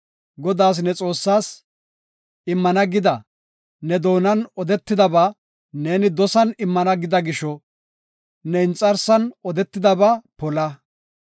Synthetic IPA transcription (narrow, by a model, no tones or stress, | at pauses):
ɡɔd̪aːs̬nɛt͡sʼo̞ːsːaːs | ɪmːɐnɐɡɪd̪ɐ | nɛd̪o̞ːnɐnɔd̪ɛt̪ːɪd̪ɐbaː | ne̞ːnɪd̪ɔsɐnɪmːɐnɐɡɪd̪ɐɡɪʃɔ | nɛɪnt͡sʼːɐɾsɐnɔd̪ɛt̪ːɪd̪ɐbaːpɔlɐ